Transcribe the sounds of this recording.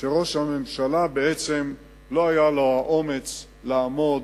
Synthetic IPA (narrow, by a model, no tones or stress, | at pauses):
t̪eʁoʃamemʃalabeet͡sem | lo̞ajalohaʔo̞me̞t͡s | laːmo̞d̪